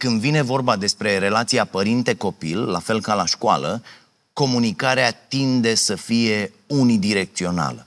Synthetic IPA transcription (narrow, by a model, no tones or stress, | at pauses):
kɨnd̪vine̞vo̞rbad̪e̞spɾe̞ɾe̞lat̪sijapəɾint̪e̞ko̞pḭlːafe̞lkalaʃkua̰lə | ko̞munikaɾeat̪ind̪e̞səfije̞ | unid̪iɾe̞k̚t̪sio̞na̰lə̰